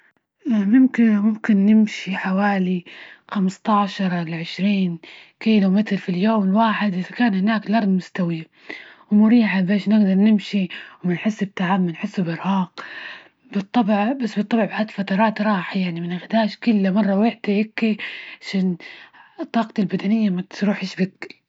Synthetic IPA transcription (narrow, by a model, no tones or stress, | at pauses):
ʔmʊmkɪmʊmkɪnːɪmʃiħawaːlixamst̪ɑʕʃɑɾˤlʕɪʃɾiːn | kiːlʊmɪt̪ɾfiljoːmɪlwaːħɪd̪ʔɪðakaːnhɪnaːklɑɾˤd̪ˤmʊst̪awɪja | wmʊɾiːħabeːʃnɪɡd̪ɑɾˤnɪmʃiwmɪnħɪsːɪbt̪ːaʕabmanħɪsːʊbɪɾhɑːq | bɨt̪ˤːɑbʕbasːbɨt̪ˤːɑbʕbʕaːt̪lfat̪ɑɾˤɑːt̪ɾˤɑːħajaʕnimɪnʔɪxd̪aːʃkʊlːamɑrˤːɑwɪħd̪aʔɪkːiʕaʃaːn | t̪ˤːɑːqɑt̪albad̪anɪjːamat̪ɾuːħɪʃbɪkːɪl